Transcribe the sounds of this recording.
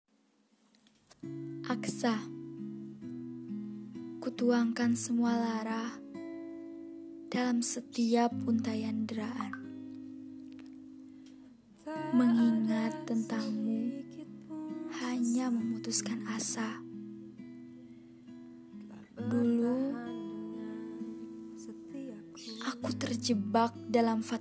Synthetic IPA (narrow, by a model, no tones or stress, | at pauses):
ʔaksa | kut̪uaŋkansəmualaɾah | d̥alamsət̪iapːunt̪ajandəɾaʔan | məŋiŋat̪ːənt̪aŋmu | haɲaməmut̪uskanasa | dulu | ʔakut̪ərd͡ʒəbak̚dalamfa